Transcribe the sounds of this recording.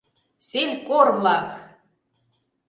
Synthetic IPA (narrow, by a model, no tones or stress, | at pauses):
senʲkorβlɑk